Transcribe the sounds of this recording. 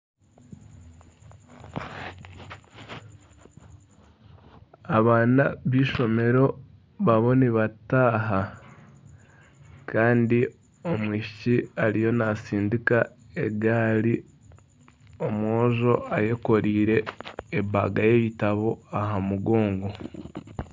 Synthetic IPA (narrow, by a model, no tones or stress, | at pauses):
aβaːnaβiːʃo̞me̞ɾo̞ | βaβo̞niβataːɦa | kʰaːndi | o̞mwiːʃiciaɾijo̞nasiːndika | eɡaːɾi | o̞moːʒo̞aje̞ko̞ɾiːɾe̞ːba̰ɡaje̞βitaβo̞aɦamuɡo̞ːŋɡo̞